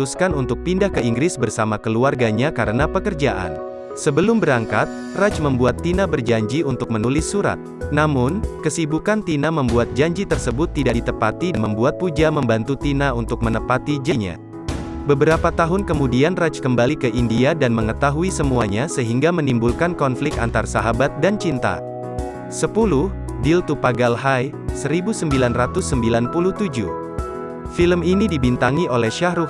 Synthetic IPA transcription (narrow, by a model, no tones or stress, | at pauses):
uskanunt̪ʊk̚pindahkəiŋɡɾɪsbərsamakəluarɡaɲakaɾənapəkərd͡ʒaʔa̰n | səbəlʊmbəɾaŋkat̪̚ | rat͡ʃməmbuat̪ːinabərd͡ʒaɲd͡ʒiunt̪ʊk̚mənulɪsːuɾa̰t̪̚namʊnkəsibukant̪inaməmbuat̪̚d͡ʒaɲd͡ʒit̪ərsəbʊt̪ːidaʔdit̪əpat̪inməmbuat̪̚pud͡ʒaməmbant̪ut̪inaunt̪ʊk̚mənəpat̪id͡ʒaɲa̰ | bəbəɾapat̪aɦʊnkəmudianrat͡ʃkəmbalikəʔindiadanməŋət̪aɦuisəmuaɲasəɦiŋɡamənimbulkankɔnflɪk̚t̪a̰nt̪arasaɦabat̪̚dant͡ʃint̪a̰ | səpulʊh | dilt̪upaɡalɦaj | səɾibusəmbilanrat̪ʊsːəmbilanpuluht̪ud͡ʒu | filəminidibint̪aŋiʔolɛhʃahɾuf